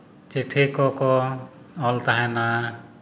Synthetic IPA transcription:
t͡ʃeʈʰekɔkɔ | ɔlt̪aɦɛ̃na

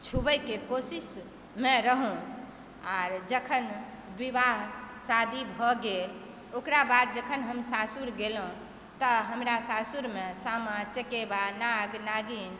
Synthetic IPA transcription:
t͡ʃʰubəjkekosis | mẽɾəɦũ | aɾd͡ʒəkʰən | bibaɦsad̪ʱibʱɔɡel | okɾabad̪̚d͡ʒəkʰənɦəmsasuɾɡelũ | t̪əɦəmɾasasuɾmesamat͡ʃəkebanaɡnaɡin

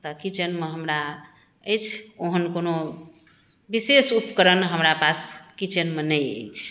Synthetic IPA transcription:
t̪əkit͡ʃənmeɦəmɾa | əjt͡ʃʰoɦənkono | bisesupkəɾənɦəmɾapaskit͡ʃənmenəjə̰jt͡ʃʰ

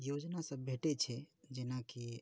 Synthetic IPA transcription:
jod͡ʒnasə̃bbʱeʈet͡ʃʰɛd͡ʒenaki

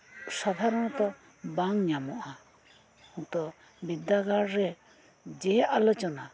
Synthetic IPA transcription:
sad̪ʱaɾɔñɔt̪ɔ | baŋɲamɔʔa | ũt̪ɔ | bid̪aɡaɾɾɛ | d͡ʒɛʔalɔt͡ʃɔna

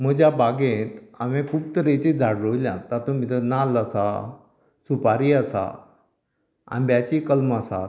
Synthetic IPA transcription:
m̤əd͡ʑjabaɡẽt̪amẽkʰuːp̚t̪əɾet͡ɕed͡zʱaɽɾoiljãt̪at̪omit̪ənalat͡sa | supaɾiːasa̰ | a̰nbjat͡ɕikəlmasa̰t̪

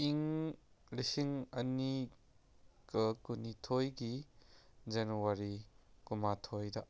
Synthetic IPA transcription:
iŋ | lisiŋɐni | kɐkunitʰojɡi | d͡ʒenuwaɾikumatʰojdɐ

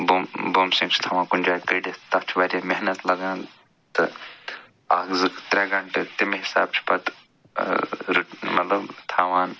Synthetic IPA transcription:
bomboːmsĩŋɡt͡ʃʰt̪ʰaːʋãːkund͡ʒaːjkɐɖit̪ɐft͡ʃʰiʋaːɾʲameɦnɐt̪lɐɡãːn | t̪ɨ | aːɡzɨkt̪ɾeɡɐɳʈet̪imeɦisa̰ːb̚t͡ʃʰi̥pɐt̪ | ɾuʈmɐt̪lɐbt̪ʰaːʋaːn

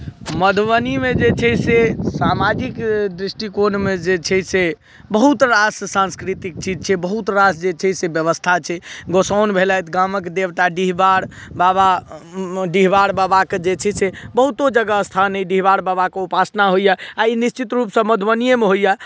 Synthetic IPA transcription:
məd̪ʱʋənimed͡ʒet͡ʃʰɛsesamad͡ʒikd̪ɾisʈikonmed͡ʒet͡ʃʰɛse | bəɦut̪ɾassãnskɾit̪ik̚t͡ʃid͡ʒt͡ʃʰɛbəɦut̪ɾasd͡ʒet͡ʃʰɛsebjəβəst̪ʰat͡ʃʰɛɡosawnbʱelajt̪ɡaməkd̪ebʈ̪aɖiɦbaɽ | baba | ɖiɦbaɽbabaked͡ʒet͡ʃʰɛsebəɦut̪od͡ʒəɡaəst̪ʰanɛɖiɦbaɽbabakeupasnaɦojaainist͡ʃit̪ɾupsə̃məd̪ʱʋənijemeɦoja

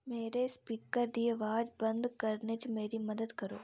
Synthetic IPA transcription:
meːɾespiːkəɾd̪ieʋaːd͡ʒbɐ̃nd̪kɐɾnet͡ʃmeːɾimɐd̪əd̪kɐɾo̰ː

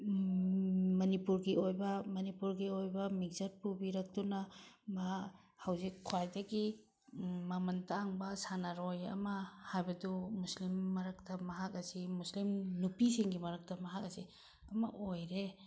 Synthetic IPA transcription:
mɐnipuɾɡiojbɐmɐnipuɾɡiojbɐmik̚zɐɾ̚pubiɾɐk̚tunɐma | hɐwzikʰːuwajdɐɡi | mɐmɐntaŋbɐsanaɾojɐ̰mɐhajbɐdumuslimːɐɾɐktɐmɐɦak̚ɐsimuslimnupisiŋɡimɐɾɐk̚tɐmɐɦak̚ɐsi | ɐmɐ̰ʔojɾe

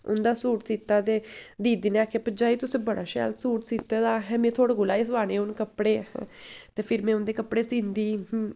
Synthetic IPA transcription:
ʊ̰nd̪aːsuːʈsiːt̪aːt̪eːd̪iːd̪ineaːkʰeːpəd͡ʒaːiːt̪ʊsẽːbəɽaːʃɛ̰ːlsuːʈsiːt̪aːd̪aːɦɛːmẽːt̪ʰoːɽaɡʊlaːeːsʋaːnẽːʊnkəpɽḛ̃ːt̪eːpʰɪɾmɛ̃ːʊnd̪eːkəpːɽeːsĩːnd̪iː

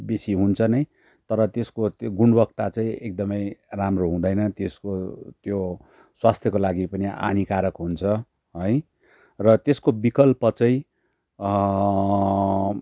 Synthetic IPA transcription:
besiɦunt͡sʰʌnʌj | t̪ʌɾʌt̪eskoɡunbʌk̚t̪at͡saĩek̚d̪ʌmʌjramroɦũd̪ʌjnʌt̪eskot̪jo | swast̪ʰjʌkolaɡipʌniʔa̰nikaɾʌkɦunt͡sʰʌ | ɦʌj | rʌt̪eskobikʌlpʌt͡sʌĩ

